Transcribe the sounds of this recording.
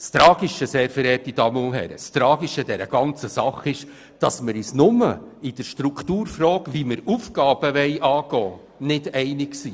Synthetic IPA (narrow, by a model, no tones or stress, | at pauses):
st̪ɾɑːɡ̥iʃəseːɾfəɾɛːtid̥ɑmulɦɛ̰ɾə̰st̪ɾɑːɡiʃəd̥ɛɾə̰ɡ̥ɑnt͡səsɑχɪʃ | d̥ɑsməɾisnʊməid̥əɾʃtɾukʰtuːɾfɾɔːkʋiməɾufɡ̥ɑːb̥əʋɛɪʔɑːɡ̥ɔː | nɪdɛɪnɪksiː